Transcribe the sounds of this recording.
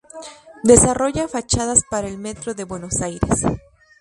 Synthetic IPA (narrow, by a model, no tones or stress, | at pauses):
d̪e̞saro̞ʝafat͡ʃaðaspaɾaelme̞t̪ɾo̞ðe̞βwe̞no̞sajɾḛs